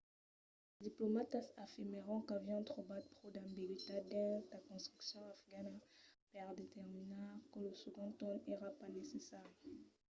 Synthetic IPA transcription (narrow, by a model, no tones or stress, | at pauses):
d̪iplomat̪asafiʁmeʁɑ̃kavjɛ̃t̪χobat̪̚pχod̪ãmbiɡit̪ad̪ɛ̃takɔ̃st̪χyksjɔ̃afɡanapɛʁd̪et̪ɛʁminaʁkələsəɡɔ̃t̪ɔneʁapanesesɛʁ